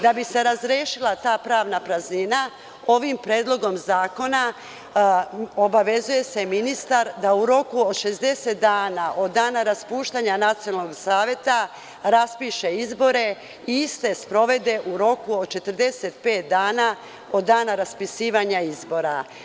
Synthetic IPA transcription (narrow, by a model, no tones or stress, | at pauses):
d̪abise̞ɾazɾjeːʃilˠat̪aːpɾaːʋnapɾaznina | o̞ʋimpɾeːd̪lˠo̞ɡo̞mzaːko̞na | o̞baʋe̞zuje̞se̞minist̪aɾd̪auɾo̞kuod̪ʃe̞zd̪e̞set̪̚d̪aːnaʔo̞d̪dːaːnaɾaspuːʃt̪aːɲanat̪sionaloɡsaːʋje̞t̪a | ɾaspiːʃe̞izbo̞ɾe̞ | iist̪e̞spɾo̞ʋe̞d̪e̞ʔuɾo̞kuod̪t͡ʃe̞t̪əɾ̩d̪e̞se̞t̪pe̞ːt̪̚d̪aːna | o̞d̪ːaːnaɾaspisiːʋaɲaizbo̞ɾa